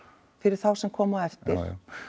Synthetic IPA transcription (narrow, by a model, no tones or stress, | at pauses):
fɪɾɪɾ̥θawsɛmkʰɔːmaðɛft̪ɪɾ̥